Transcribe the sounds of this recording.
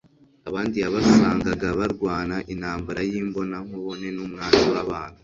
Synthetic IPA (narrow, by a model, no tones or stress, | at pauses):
aβaːndijaβasuβaːŋɡaɡaβaɾɡwaːnaʔinhaːmbaɾajiːmbo̞naŋoβone̞numŋaːtiwaβaːnhu